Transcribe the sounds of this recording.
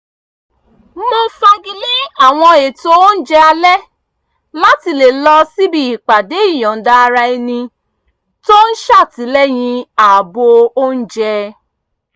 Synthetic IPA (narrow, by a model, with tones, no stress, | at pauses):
mõ˧fɛ˧ɡi˧le˦a˦˨w̃ɔ̃˧e˨to˦n̩˦d͡ʒɛ˦a˧lɛ˦ | la˦ti˧le˨lɔ˧si˦bi˧i˨k͡pa˨de˨˦i˦˨j̃ɔ̃˨n̩˨da˦˧ɾa˧i˧nĩ˧ | to˦n̩˦ʃa˦˨ti˨˦lɛ˦j̃ĩ˧a˨bo˧o˦n̩˦d͡ʒɛ˧